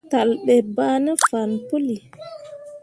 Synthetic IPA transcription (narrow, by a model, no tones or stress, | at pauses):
talɓɛbaːnɛfanpuli